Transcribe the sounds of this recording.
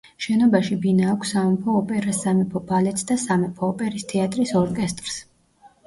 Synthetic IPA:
ʃɛnɔbaʃibinaɔkʰsamɔmpʰɔːpʼɛɾasamɛpʰɔbalɛt̪sd̪asamɛpʰɔːpʼɛɾist̪ʰɛat̪ʼɾisɔɾkʼɛst̪ʼɾs

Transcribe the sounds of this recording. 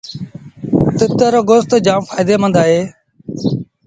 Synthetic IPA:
t̪ɪt̪əːɾoːɡost̪ːd͡ʒãːfaːɪd̪eːmənd̪aːɦeː

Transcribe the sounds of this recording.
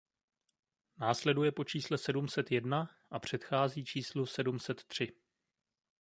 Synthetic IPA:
naːslɛdujɛpo̞t͡ʃiːslɛsɛdumsɛt̪jɛdnaʔapr̝̥ɛt̪xaːziːt͡ʃiːslusɛdumsɛt̪ːr̝̥ɪ

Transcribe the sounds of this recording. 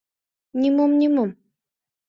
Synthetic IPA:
nʲimomnʲimom

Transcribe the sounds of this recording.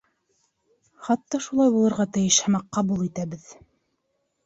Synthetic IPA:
χɑt̪ːɑʃulˠɑjbulˠɤ̆ɾʁɑt̪ɘ̆jɘʃhæmɑqːɑbulˠit̪æbɘð

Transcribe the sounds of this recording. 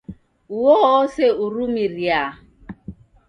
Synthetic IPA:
uwɔːseuɾumiɾja

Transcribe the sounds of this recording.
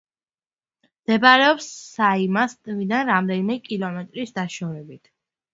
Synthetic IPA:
md̪̥ɛbaɾɛɔpsːaimast̪ʼvid̪anɾamd̪ɛnimɛkʼilˠɔmɛt̪ʼɾisd̪aʃɔɾɛbit̪ʰ

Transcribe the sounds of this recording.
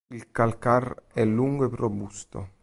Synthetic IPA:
ilkalkarɛlːuŋɡoeprobust̪o̰

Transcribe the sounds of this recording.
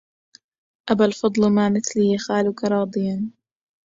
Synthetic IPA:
ʔabalfɑd̪ˤlmaːmɪθlijaxaːlʊkaɾˤɑːd̪ˤɨjan

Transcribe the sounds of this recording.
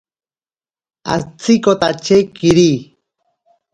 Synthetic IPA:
a̰t͡sikot̪at͡ʃekiɾi

